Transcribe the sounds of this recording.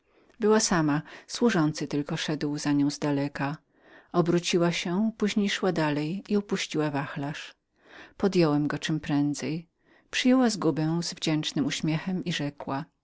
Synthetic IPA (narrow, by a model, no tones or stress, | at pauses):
bɘwasamaswuʐɔnt̪sɘt̪ɘlkɔʂɛd̪wzaɲɔ̃w̃zd̪alɛka | ɔbɾut͡ɕiwaɕɛpuʑɲejʂwad̪alɛjiupuɕt͡ɕiwavaxlaʂ | pɔd̪jɔwɛmɡɔt͡ʂɘmpɾɛnd̪zɛj | pʂɘjɛwazɡubɛ̃zvd͡ʑɛnt͡ʂnɘmuɕmʲjɛxɛmiʐɛkwa